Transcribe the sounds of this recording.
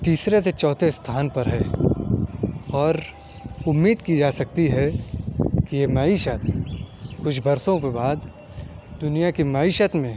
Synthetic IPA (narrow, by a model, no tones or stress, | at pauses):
t̪iːsɾeset͡ʃɔːt̪ʰest̪ʰaːnpɐɾɦɛ | ɔːɾ | ʊmːiːd̪kid͡ʒaːsɐk̚t̪iɦɛ | kijemɐiʃət̪ | kʊt͡ʃʰbɐɾsõkebaːd̪ | d̪ʊnijakimɐiʃət̪mẽ